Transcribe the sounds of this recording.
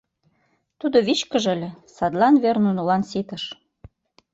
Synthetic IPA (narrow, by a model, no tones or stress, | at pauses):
t̪ud̪oβit͡ɕkəʒə̆lʲĕsɑd̪lɑnβernunulɑnsit̪ə̆ʃ